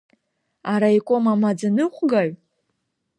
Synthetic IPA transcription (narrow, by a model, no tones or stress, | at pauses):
aɾaikʷʼomamad͡zanɨχʷɡaɥ